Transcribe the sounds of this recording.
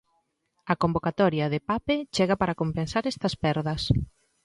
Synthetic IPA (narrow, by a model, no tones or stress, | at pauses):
ɐkombokat̪ɔɾjɐðepapet͡ʃɛɣɐpaɾɐkompensaɾɛst̪ɐspɛɾðɐs